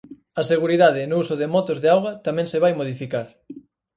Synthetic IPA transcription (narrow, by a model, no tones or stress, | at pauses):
ɐseɣuɾiðað̞ɪnʊusʊðɪmɔt̪ozðeawɣɐt̪amɛ̃ŋsɪβajmoðifikaɾ